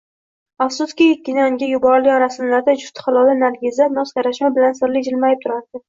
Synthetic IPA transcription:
afsʊskʲɪekʲːɪnaŋɡʲajʊbɒɾlɪɒɾasɪnlaɾd̪ad͡ʒʊst̪ʰχɑlˠɒlanaɾɡʲɪzanɒsɡʲaɾaʃmabɪlansɪɾlɪd͡ʒɪlmajɪp̚t̪ʰʊɾaɾd̪̥ɪ

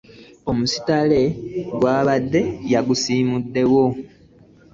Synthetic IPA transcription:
o̞musi̥tale̞ɡwaːβadːe̞jaɡusiːmudːe̞wo̞

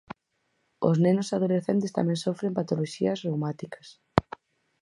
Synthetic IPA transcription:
o̰znenosaðoleθent̪̬est̪a̰mɛ̃ŋsofɾempat̪oloʃḭɐzrowmat̪ikɐ̥s

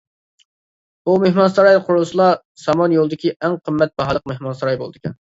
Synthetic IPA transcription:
umehmɑnsɑɾɑjqʰʊɾulˠɨsɨlˠɑ | sɑmɑnjolˠɨd̪ɪkʲiæŋqʰəmːɛt̪̚bɑɦɑlˠəq̚mehmɑnsɑɾɑjbolˠd̪ɨkʲʰɛ̰n

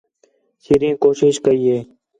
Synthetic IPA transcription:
siɾĩːkoːʃɪʃkəɾiːeː

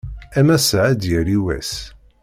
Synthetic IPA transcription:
æmæsaʕæd̪jəɾiwæ̰s

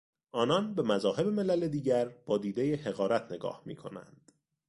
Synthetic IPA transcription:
ʔɒːnɒnbe̞mæzɒːhe̞bemelæled̪iːɟæɾb̥ɒːd̪iːd̪e̞jeheɣɒːɾæt̪ʰne̞ɡɒ̰ːhmḭːkʰo̞̰næ̰nd̪̥

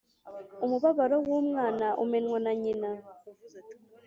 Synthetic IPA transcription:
umuβaβaɾɔwomŋanaʔṵmɛnwɔnaɲina

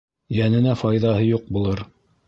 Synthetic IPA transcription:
jænɘ̆næfɑjðɑɦɤjuq̚bulˠɤɾ

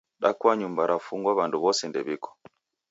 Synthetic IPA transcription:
ɗakwaɲumbaɾafuŋɡwaβanduβɔsɛndɛβikɔ̥

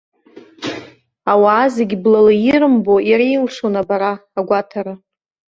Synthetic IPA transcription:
awaːzeɡʲblalajiɾɨmboiɾejlʂonabaɾaːɡʷatʰaɾa

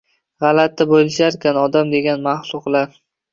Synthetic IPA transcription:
ʁɑlat̪ːabojlɪʃaɾkʲanɒd̪amd̪e̞ɡʲanmaχlˠʊqlˠaɾ

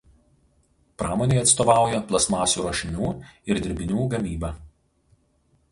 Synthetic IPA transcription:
pɾɑːmoːnʲeɪɐt̪st̪oːʋɑˑʊjɛplˠɐsmɑːsʲuːɾoʃʲɪnʲuːɪɾd̪ʲɪɾʲbʲɪnʲuːɡɐmʲiːbɑː

